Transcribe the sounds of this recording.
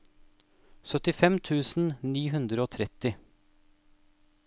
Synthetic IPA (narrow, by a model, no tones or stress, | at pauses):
sœt̪ɪfɛmt̪ʰʉːsn̩niːɦʉnd̪ɾəoːt̪ʰɾɛt̪ɪ